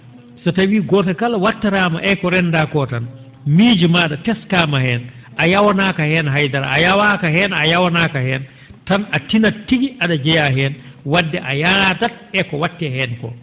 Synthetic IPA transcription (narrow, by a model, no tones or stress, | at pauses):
sɔtawiːɡɔtakalawatːaɾama̰ʔɛkɔɾɛndakɔtan | miːd͡ʒimaɗatɛskamahɛnʔajawanakahɛnɦajdaɾa̰ajawaːkaɦɛnajawanakahɛn | tanatinatːiɡiʔaɗad͡ʒɛjaɦɛnwadːɛʔajaɾatat̚ | ɛkɔwatːɛhɛnkɔ̰